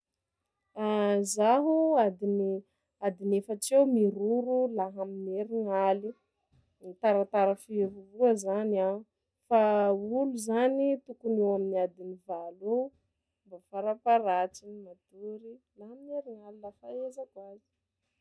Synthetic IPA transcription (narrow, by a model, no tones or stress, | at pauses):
azaɦuad̪ini | ad̪inefət͡sewmiɾuɾulaɦamineɾiŋali | t̪aɾat̪aɾafivuvuəzana | fauluzanit̪ukunewaminiad̪inivalu | mbafaɾapaɾat͡simat̪uɾi | laɦamineɾiŋalilafaezakwazi̥